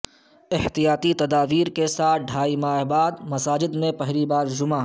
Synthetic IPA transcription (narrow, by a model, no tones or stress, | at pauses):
ɪht̪ijaːt̪it̪ɐd̪aːʋiːɾkesaːt̪̚ʰɖʱaːimaːɦbaːd̪mɐsaːd͡ʒɪd̪mẽpɐɦɾibaːɾd͡ʒʊma